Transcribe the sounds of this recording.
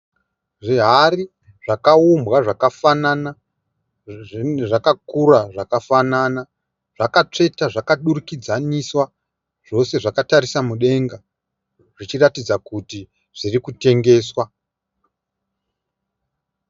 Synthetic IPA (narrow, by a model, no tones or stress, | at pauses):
ʐiɦari | ʐ̥akaumbɣaʐakafanana | ʐakakuraʐakafanana | ʐ̥akat͡ʂe̞taʐakaɗurukid͡zaniswa | ʐ̥o̞se̞ʐakataɾisamuɗe̞ŋɡa | ʐ̥it͡ʃiratid͡zakuti | ʐ̥irikute̞ŋɡe̞ːswa